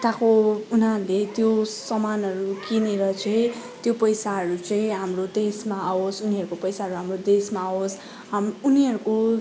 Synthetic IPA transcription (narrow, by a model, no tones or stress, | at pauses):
t̪ãkounãlet̪josʌmanʌɾukineɾʌt͡sʌjĩt̪jopʌjsaɦʌɾut͡sʌĩɦamrod̪esmaːosuniʌɾukopʌjsaɦʌɾuɦamrod̪esmaːos | ɦamuniɦʌɾuko